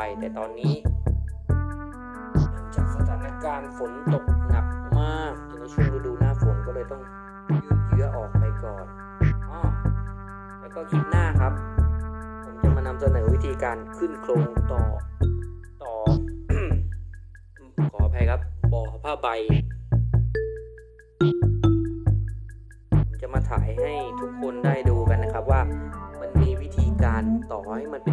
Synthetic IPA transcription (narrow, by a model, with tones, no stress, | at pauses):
a˧jt̪ɛː˨˩t̪ɔː˧nːiː˦˥ | lɯ˦˥ə˦ŋt͡ɕaː˨˩k̚saː˨˧˩t̪ʰaː˨˦na˧˥kaː˧nfo˨˦n˧t̪o˨˩k̚na˨˩p̚maː˥˩t̪o˧na˧˩t͡ɕʰu˧˥˨ɾuː˧˥˩ɾuː˧˦naː˥˩fo˨˩˦nkɔː˥˩lɤː˧jt̪ɔ˥˩ŋ˩ | jɯː˧˩t̪̚jɯ˦˥ɐʔɔː˨˩k̚pa˧jkɔː˨˩n | ʔɔː˧˥˩ | tɛː˧˩kɔː˥˩kʰi˦˥t̪̚naː˥˩kʰa˦˥p̚ | pʰo˩˦mt͡ɕa˨˩maː˧na˧msa˧nɤː˩˦wi˦˥t̪ʰiː˧kaː˧nkʰɯ˨˩nkʰlo˧ŋt̪ɔː˨˩ | t̪ɔː˨˩˥ | kʰɔː˨˩˦pʰa˧jkʰa˦˥p̚bɔː˧˩˧pʰaː˧˩ba˧j | o˨˦nt͡ɕa˨˧˩maː˧t̪ʰa̰ː˩˦jha˥˩jt̪ʰu˦˥kʰːo˧ndaː˥˩jduː˧ka˧nːa˦˥kʰa˦˥p̚waː˥˩ma˧˥nmiː˧˥˩wi˦˥t̪ʰiː˧kaː˧nt̪ɔː˨˩ha˦˥˩jma˧˥˨npe˧